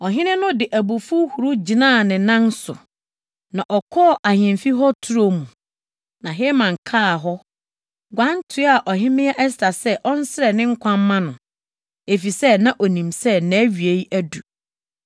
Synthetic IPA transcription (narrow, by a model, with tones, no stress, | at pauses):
ɔ˨ɦɪ̃˦nɪ̃˦nʊ̃˦dɪ˨ʔæ˨bu˨fu˦hu˨ɾu˦d͡ʑi˨nãː˦˨nɪ̃˨nã˦n˦sʊ̰˨ | nã˨ʔɔ˨kʰɔ˦˨ʔa˨hɪ̃˨mfi˦ɦɔ˦tʰu˦ɾo˦mũ˨ | nã˨ɦe˦mã˨ŋ˨kʰaː˦˨ɦɔ˦ | ɡʷã˦n˦tʰʊ˨˦a˨ʔɔ˨ɦɪ̃˦mɪ̃˦ɛ˦ʔɛ˦s̬tʰa˨sɛ˦ʔɔ˦n̩˦sɪ˦ɾɛ˨nɪ̃˦ŋ̩˦kʷʰã˦mː˦ã˦nʊ̃˨ | e˨fi˨sɛ˦nã˦ʔɔ˨nĩ˨msɛ˦næ̃ː˨˦ɥi˨e˦ji˦ʔæ˦du˨